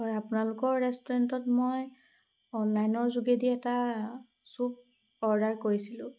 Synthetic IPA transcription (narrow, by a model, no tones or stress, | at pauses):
hɔjapʊnalʊkɔɹːɛstɔɹɛntɔtmoj | ɔnlajnɔɹzuɡediɛta | sup̚ | ɔɹdaɹkoɹisilʊ̃